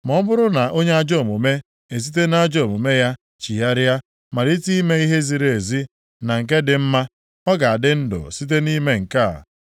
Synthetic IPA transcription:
mɔ˦bʊ˦ɾʊ˦na˨ʔo˦ɲe˦a˦d͡ʒo˦˨mu˨me˦ | e˨z̬i˦t̬e˦na˦d͡ʒo˦˨mu˨me˦ja˦ | t͡ʃi˨ja˦ɾa˦ | ma˨ɾi˦ti˦i˦me˦i˦ɦe˦zi˨ɾe˨zi˦ | na˨ŋ̩˨k̬e˦dɪ˨m̩˦ma˦ | ɔ˦ɡa˨a˨dɪ˦n̩˦dʊ̰˨si˦t̬e˦ni˦me˦ŋ̩˨ka̰˦˨

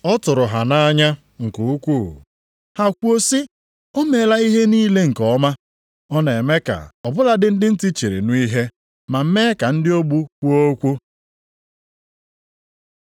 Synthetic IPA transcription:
ɔ˦tʊ˨ɾʊ˨ɦa˨na˦ɲa˦ | ŋ̩˨ku˨u˦kʷu˦˨ | ha˨kʷu˦o˦sɪ˦ | o˦me˨la˦i˦ɦe˦niː˦le˦ŋ̩˨kɔ˦ma˦ | ɔ˦ne˨e˨me˦ka̰˨ɔ˨bʊ˦la˦dɪ˦n̩˦dɪ˦n̩˦ti˦t͡ʃe˨ɾḛ˨nu˦i˦ɦe˦ | ma˨m̩˦me˦ka˨n̩˦dɪ˦o˦ɡ͡bu˦kʷu˦o˦kʷu˦

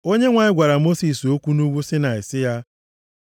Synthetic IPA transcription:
o˦ɲe˦ŋʷa˨ɲɪ˦ɡʷa˨ɾa˨mo˦si˨so˦kʷu˦nu˦ɡʷu˦sɪ˦na˨ɪ˨sɪ˦ja˦

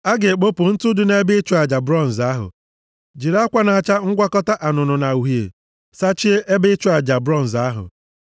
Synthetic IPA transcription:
a˦ɡɪ˨k͡po˦pʊ˨n̩˦tʊ˦dʊ˦ne˦bɪ˦t͡ʃʊ˦a˨d͡ʒa˨bɾɔ˦n̩˨za˦ɦʊ̰˨ | d͡ʒi˨ɾa˦kʷa˦na˨t͡ʃa˦ŋ̩˦ɡʷa˦kɔ˦ta˦ʔa˨nʊ˨nʊ˨na˨u˨ɦjḛ˨ | sa˦t͡ʃi˦e˦ʔe˦bɪ˦t͡ʃʊ˦a˨d͡ʒa˨bɾɔ˦˨n̩˨za˦ɦʊ̰˨

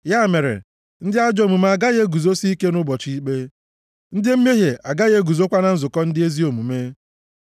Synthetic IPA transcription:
ja˦˨me˨ɾḛ˨ | n̩˦dɪ˦a˦d͡ʒɔ˨˦˨mu˨m˦a˨ɡa˦ɣe˦ɡu˨zo˦si˦i˦ke˦nʊ˦bɔ˨t͡ʃi˦i˦k͡pe˦ | n̩˦dɪ˦m̩˦me˦ɦe˨a˨ɡa˦ɣe˦ɡu˨zo˦kʷa˦na˨n̩˦zʊ˨kɔ˦n̩˦dɪ˦e˦zi˦o˨mu˨me˦

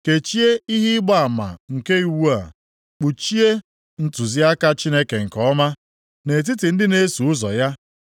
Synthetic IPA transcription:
ke˨t͡ʃi˦e˦i˦ɦi˦ɡ͡ba˦a˨ma̰˨ŋ̩˨ke˦i˨wu˦a˨ | k͡pu˨t͡ʃi˦e˦ | n̩˦tu˨zi˦a˦ka˦t͡ʃi˦ne˦ke˨ŋ̩˨kɔ˦ma˦ | ne˨t̬i˦ti˨n̩˦dɪ˦ne˦su˨ʊ˦zɔ˨ja˦

